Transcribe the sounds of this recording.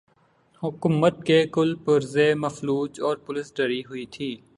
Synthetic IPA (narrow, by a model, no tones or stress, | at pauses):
hʊkumət̪̚kekʊlpəɾzeməfluːt͡ʃɔːɾpʊlɪsɖəɾiɦʊit̪ʰiː